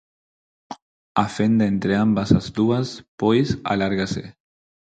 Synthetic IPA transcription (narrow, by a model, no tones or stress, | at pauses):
afend̪aent̪ɾeambasazd̪uaspojsa̰laɾɣasḛ